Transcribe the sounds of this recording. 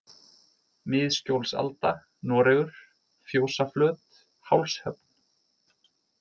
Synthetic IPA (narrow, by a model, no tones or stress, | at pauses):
mɪːðscowlsa̰lt̪a | nɔːɾɛɣʏɾ̥ | fjoːwsaflœːt̪ | hawlshœpn̥